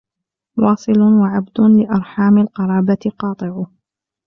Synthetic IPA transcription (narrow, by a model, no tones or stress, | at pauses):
wɑːsˤɨlʊwaʕabd̪ʊlɪʔɑɾˤħaːmalqɑɾˤɑːbat̪ɪqɑːt̪ˤɨʕʊ